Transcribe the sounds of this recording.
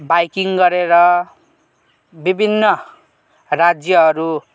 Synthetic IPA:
bajkiŋɡʌɾeɾʌ | bibʱinːʌ | rad͡zjʌɦʌɾu

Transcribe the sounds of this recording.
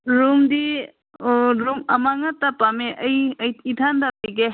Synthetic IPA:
ɾuŋdi | ɾuŋɐmaŋɐtɐpameʔɐjjidʰʱandapiɡe

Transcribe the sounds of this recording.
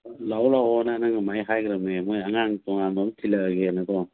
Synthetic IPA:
lawlawɔnanaŋɯmajɦajɡɾamemɔjaŋaŋtɔŋandɔmtʰilaɡenatɔ

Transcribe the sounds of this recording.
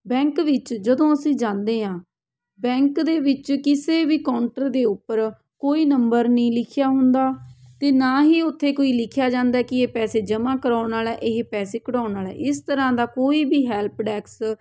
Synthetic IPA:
bɛ̃ːŋkʋɪt͡ʃd͡ʒəd̪õːəsĩːd͡ʒãːnd̪eːɦãː | bɛ̃ːŋkd̪eːʋɪt͡ʃkɪseːbiːkaːɳʈəɾd̪eːʊpːəɾ | koːiːnəmbəɾnəĩːlɪkʰjaːɦʊnd̪aːt̪eːnaːɦiːʊt̪ʰːeːkoːiːlɪkʰjaːd͡ʒãːnd̪aːkɪeːpɛːseːd͡ʒəmãːkəɾaːnaːlɛːʔɪɦpɛːseːkəɽaːnaːlɛ̰ːʔɪst̪əɾãːd̪aːkoːiːbiːɦɛːlpɖɛːks

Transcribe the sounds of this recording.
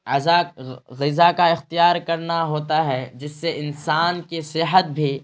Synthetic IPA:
ɐzaɣɪzakaɪxt̪ijaːɾkɐɾnaɦoːt̪aɦɛd͡ʒɪsːeʔɪnsaːnkesɪɦət̪̚bʱiː

